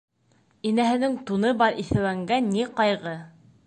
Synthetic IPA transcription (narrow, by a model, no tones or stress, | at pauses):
inæɦɘ̆nɘŋt̪unɤbɑɾiθɘ̆wæŋɡænːiqɑjʁɤ